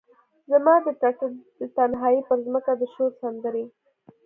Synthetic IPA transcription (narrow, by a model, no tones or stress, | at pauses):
zamɑd̪əd̪ət̪anɦɑjipəɾzməkad̪əʃoɾsand̪əɾe